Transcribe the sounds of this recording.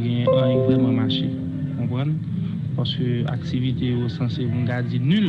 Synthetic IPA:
ɡɛ̃jɛ̃ʔãĩvʁɛmãmaʃe | kɔ̃pʁʌ̃n | paʁskøa̰k̚t͡sivit̪ejosɑ̃sebũnɡad͡zinyl

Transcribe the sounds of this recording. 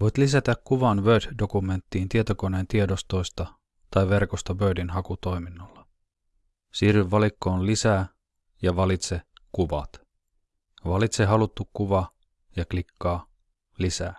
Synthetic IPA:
ʋo̞jt̪lisæt̪ækkuʋɑnʋøːd̪do̞kume̞nt̪ːiːnt̪iet̪oko̞neːnt̪iedo̞st̪o̞jst̪ɑ | t̪ɑjʋe̞rko̞st̪ɑʋøːdinɦɑkut̪o̞jminːolːɑ | siːryʋʋɑlikːo̞ːnlisæː | jɑʋɑlit̪se̞kuʋɑ̰t̪ | ʋɑlit̪se̞ɦɑlut̪ːukkuʋɑ | jɑklikːɑː | lisæː

